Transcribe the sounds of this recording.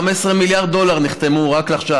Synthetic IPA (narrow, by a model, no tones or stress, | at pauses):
mesʁemiljaʁd̪̚dːo̞laʁniχt̪e̞muʁakleaχʃa